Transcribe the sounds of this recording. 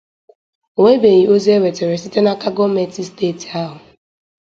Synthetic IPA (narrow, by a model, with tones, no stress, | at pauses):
o˨ŋʷe˦be˨ɣi˨o˦zi˦e˦we˨te˨ɾe˨si˦te˦na˦ka˦ɡɔ˦me˨ti˦steː˦˨ti˨a˦ɦʊ˨